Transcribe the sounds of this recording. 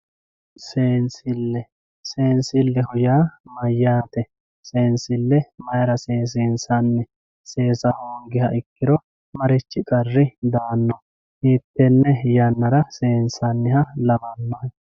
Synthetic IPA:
seːnsɪlːɛ | seːnsɪlːɛhʊjaːmɐjːaːt̪ɛ | seːnsɪlːɛmɐjɐɾɐseːs̬eːnsɐnːɛ | se̞ːsɐhoːŋɡɪhɐʔɪkːɪɾɔ | mɐɾɪt͡ʃːɪkʼɐrːɪd̪aːnːɔ | hiːt̪ːɛnːɛjɐnːɐɾɐseːnsɐnːɪhɐlɐbɐnːɔhɛ

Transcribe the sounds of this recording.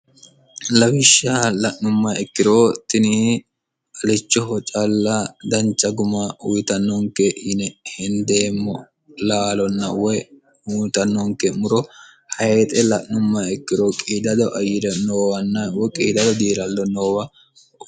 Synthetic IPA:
lɐwɪʃːalɐʔnʊmːɐɛkːɪɾoːt̪ɪniː | ɐlɪt͡ʃːɔɦɔt͡ʃʼɐlːɐd̪ɐnt͡ʃːɐɡʊmaʊjt̪ɐnːɔŋkɛnɛhɪnd̪eːmːɔ | laːlɔnːɐwɔ | ut̪ɐnːɔŋkɛmʊɾɔ | hɐet̪ʼɛlɐʔnʊmːɐɛkːɪɾoːkʼiːd̪ɐd̪ɔʔɐjɪɾɛnoːwɐnːɐwɔkʼiːd̪ɐd̪ɔd̪iːɾɐlːɔnoːwɐ

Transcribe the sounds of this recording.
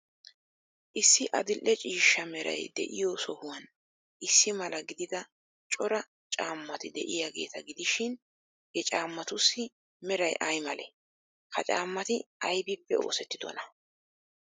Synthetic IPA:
ʔɪsːɪʔɐd̪ɪlʔːɛt͡ʃʼiːʃːɐmɛɾɐ̰jd̪ɛ̰ʔɪjosɔhʊwɐn | ʔɪsːɪmɐlɐɡɪd̪ɪd̪ɐ | t͡ʃʼɔɾɐ | t͡ʃʼaːmːɐt̪ɪd̪ɛ̰ʔɪjaːɡe̞̰ːt̪ɐɡɪd̪ɪʃɪn | jɛt͡ʃʼaːmːɐt̪ʊsːɪ | mɛɾɐjʔɐjmɐlɛ̰ | kɐt͡ʃʼa̰ːmːɐt̪ɪɐjbɪpːɛo̞̰ːsɛt̪ːɪd̪ɔ̰nɐ

